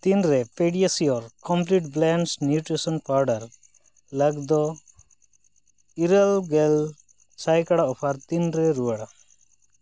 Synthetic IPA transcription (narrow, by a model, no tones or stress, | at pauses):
t̪inɾɛpeɽiasiɔɾkɔmpliʈ̚blɛnsnjuʈɾisɔnpaɾɖaɾ | ləɡd̪ɔ | iɾalɡɛl | sajkaɽaɔpʰaɾt̪inɾɛɾuaɽa